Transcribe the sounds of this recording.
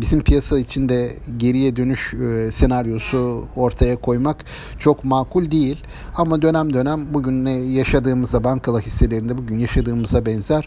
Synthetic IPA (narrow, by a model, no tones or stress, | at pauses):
bizimpʰijasait͡ʃʰind̪ɛɟe̞ɾijɛd̪ø̞nyʃsenaɾjo̞suo̞ɾt̪ʰajakʰo̞jmak | t͡ʃʰo̞kmaːkʰulʲd̪ejilʲ | amad̪ø̞næmd̪ø̞næmbuɟynːɛjaʃad̪ɯːmɯzd̪abaŋkʰalˠahisːe̞lʲe̞ɾind̪ɛbuɟynjaʃad̪ɯːmɯzabɛnzæɾ̥